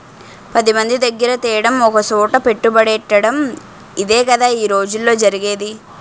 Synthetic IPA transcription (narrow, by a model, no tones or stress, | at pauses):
pɐd̪imɐnd̪id̪ɐɡːɐɾɐt̪ɛːjɐɽɐmɔkɐsuːʈɐpe̞ʈːubɐɽɛʈːɐɽɐm | id̪eːkɐd̪aiːɾo̞ːd͡ʒulːo̞ːd͡ʒɐɾiɡeːd̪i